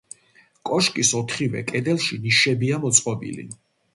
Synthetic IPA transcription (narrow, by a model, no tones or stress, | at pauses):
kʼɔʃkʼisɔt̪ʰχivɛ̰kʼɛd̪ɛlˠʃiniʃɛbiamɔt̪sʼqʼɔbḭlḭ